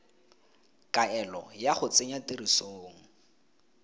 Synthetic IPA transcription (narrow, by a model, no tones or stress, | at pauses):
kʼaɛlɔjaχʊt͡sʼeɲatirisoːŋ̩